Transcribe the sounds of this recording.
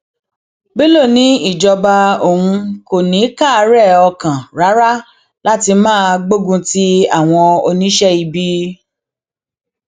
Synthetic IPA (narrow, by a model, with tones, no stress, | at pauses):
be˦lo˦˨nĩ˨˦i˦˨d͡ʒɔ˧ba˧o˨hũ˧ko˨nĩ˨˦ka˦˨˧ɾɛ˦˨ɔ˧kã˨ɾa˨˦ɾa˦ | la˦ti˧mãː˦˧ɡ͡bo˦˨ɡũ˧ti˦a˦˨w̃ɔ̃˧o˧nĩ˦ʃɛ˦i˧bi˧˦